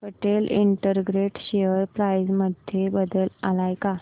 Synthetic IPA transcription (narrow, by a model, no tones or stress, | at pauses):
pəʈelḭɳʈəɾɡɾeʈɕeəɾpɾajd͡zməd̪ʱjebəd̪əla̰lajka